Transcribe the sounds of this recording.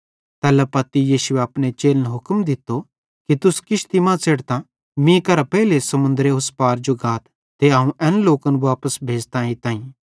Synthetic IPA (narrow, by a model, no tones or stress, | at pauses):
t̪ɛːlɛpɐt̪ːijiːsʊeɐpñet͡ʃeːlnɦʊkmd̪ɪt̪ːo | kit̪ʊskɪʃt̪imãt͡seːɽt̪ã | mĩkɐɾapɛɦilesɐmʊ̃nd̪ɾeɦʊspaːɾd͡ʒoɡaːt̪ː | eãːũʔɛ̃ːnloːkənʋaːpəsbʱeːd͡ʒt̪ãːĩt̪ãːĩ